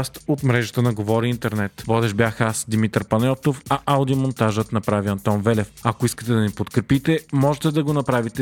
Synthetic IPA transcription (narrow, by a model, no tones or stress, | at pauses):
st̪ot̪mɾɛʒət̪ənɐɡovɔɾiint̪ɛɾnɛt̪vɔd̪ɛʒbʲjaxasd̪imit̪əɾpɐnɛt̪ofɐʔalˠd̪iomont̪aʒət̪nɐpɾaviɐnt̪ɔnvɛlɛfɐkoiskə̥t̪ɛd̪ɐnipot̪kɾɛpit̪ɛmɔʒɛt̪ɛd̪ɐɡonɐpɾavit̪ɛ